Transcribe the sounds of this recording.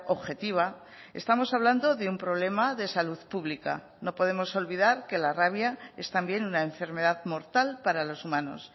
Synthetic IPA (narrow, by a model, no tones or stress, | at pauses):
o̞βxe̞t̪iβ̞a | e̞̰st̪amo̞saβland̪o̞ðeumpɾo̞β̞le̞maðe̞saluðpuβlika̰ | no̞po̞ð̞e̞mo̞so̞lβiðaɾke̞laraβ̞jae̞st̪ambje̞nunaeɱfe̞ɾme̞ðaðmo̞ɾt̪alpaɾalo̞sumãno̞̰s